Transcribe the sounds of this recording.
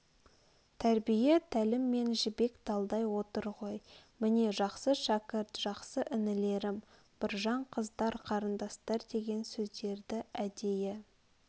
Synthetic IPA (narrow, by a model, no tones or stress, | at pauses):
t̪ʰæɾbije̞t̪ʰælɪmːe̞nʒɪbe̞kd̪̥ɑlˠd̪ɑjwo̞t̪əɾʁo̞jmɪne̞ʒɑqsəʃækʲɪɾt̪ʒ̥ɑqsəʔɪnɪle̞ɾɪm | b̥ɪɾʒɑɴqʰəzd̪ɑɾqʰɑɾənd̪ɑst̪ɑɾd̪e̞ɡʲe̞nsɵzd̪e̞ɾd̪ɪæd̪e̞jɪ